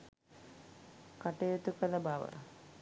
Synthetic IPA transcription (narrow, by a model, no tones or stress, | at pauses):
kaʈejot̪ukəlɐbaːʋə̰